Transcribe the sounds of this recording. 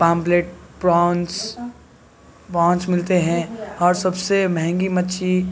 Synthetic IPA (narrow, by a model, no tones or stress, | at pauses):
pãːmpleːʈ̚pɾãːns | pãːnt͡ʃmɪlt̪eɦɛ̃ɔːɾsɐbsemɛɦɛ̃ŋɡimɐtːʃʰi